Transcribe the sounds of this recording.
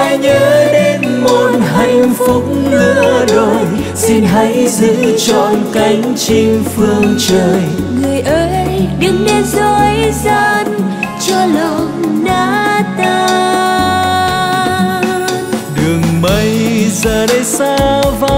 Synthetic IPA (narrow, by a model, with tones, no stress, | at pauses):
ɲəː˨˦ɗe˧n | mo˨˧˩n̚ha˧˩jŋfʊ˨˦˥k͡p̚nnɨ̰˧˥əɗo˨˩j | si˧nɦa˧˦jzɨ˧˥t͡ɕɔ˧˩nka˨˧˦jŋ̟t͡ɕi˧ŋfɨ˧əŋt͡ɕəː˨˩jŋɨ˨˩əjʔəː˧˦jjɗɨ˨˩əŋɗe˧zo˧jza˧˥nt͡ɕɔ˧lə˨˧w | naː˧˦t̪a˧ | ɗɨ˨˩əŋɓə˧˦jzəː˨˩ɗə˧˦jsaː˧va˧˦